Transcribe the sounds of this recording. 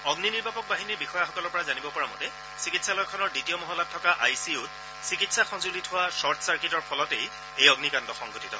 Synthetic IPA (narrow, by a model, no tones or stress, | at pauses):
ɔɡniniɹbʱapɔk̚baɦiniɹbixɔjaxɔkɔlɔɹpɔɹazanibɔpɔɹamɔtɛ | sikitsalɔjkʰɔnɔɹditijɔmɔɦɔlatʰːɔkaʔajsiut | sikitsaxɔnzulitʰhʊwasɔɹtʰsaɹkitɔɹpʰɔlɔtej | ejɔɡnikantɔxɔŋɡʱotitɔ̰